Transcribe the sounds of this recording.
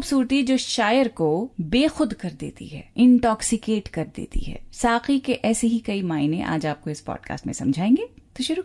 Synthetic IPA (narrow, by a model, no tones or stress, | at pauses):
ʊbsuːɾt̪id͡ʒoːʃaːjəɾkobeːxʊd̪kɐɾd̪ḛːt̪ḭɦɛ̰ːɪ̃ɳʈɔːksɪkeːʈkɐɾd̪ḛːt̪ḭɦɛ̰ːsaːqikeʔɛːseɦikɐimaːɪnẽʔa̰ːd͡ʒaːp̚koɪspɔ̰ːɖka̰ːsʈmḛ̃sɐ̰̃md͡ʒʱaːẽːŋɡeːt̪oʃʊɾu